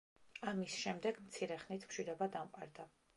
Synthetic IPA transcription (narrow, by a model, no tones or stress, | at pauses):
amisʃɛmd̪ɛɡmt̪sʰiɾɛχnit̪ʰmʃid̪ɔbad̪amqʼa̰ɾd̪a